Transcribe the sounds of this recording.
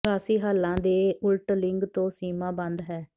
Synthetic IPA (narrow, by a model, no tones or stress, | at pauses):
aːsiːɦaːlːãːd̪eːʊlʈəlɪŋɡt̪õːsiːmãːbə̃nd̪ɦɛː